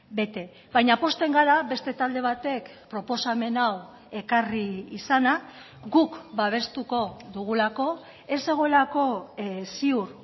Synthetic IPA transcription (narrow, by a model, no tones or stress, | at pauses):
be̞t̪e̞ | βajɲapo̞st̪e̞ŋɡaɾaβe̞st̪e̞t̪ald̪e̞βat̪e̞k | pɾo̞po̞same̞naw | e̞kariːsana | ɡukbaβ̞e̞st̪uko̞ðuɣ̞ulako̞ | e̞se̞ɣ̞o̞elako̞siuɾ